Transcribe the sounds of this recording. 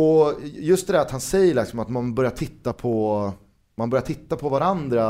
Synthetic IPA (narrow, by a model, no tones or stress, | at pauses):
ɔjɵst̪d̪ɛd̪æɾat̪hansɛjːəɭɪksɔmat̪manbœɾjaʈʰɪt̪ːapʰɔ | manbœɾjaʈʰɪt̪ːapʰɔvaɾand̪ɾa